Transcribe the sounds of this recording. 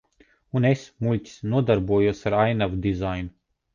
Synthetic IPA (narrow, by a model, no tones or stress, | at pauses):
unesmulʲtʲi̥snuɔd̪aɾbuɔjuɔsaɾajnavd̪izajnu